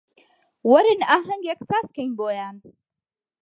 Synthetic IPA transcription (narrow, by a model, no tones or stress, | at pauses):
wɐɾɪnaːɦɐŋɡeksaːskɐjnboːjaːn